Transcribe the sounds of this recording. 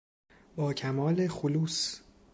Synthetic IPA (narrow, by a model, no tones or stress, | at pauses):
bɒːcʰæmɒːle̞xuluːs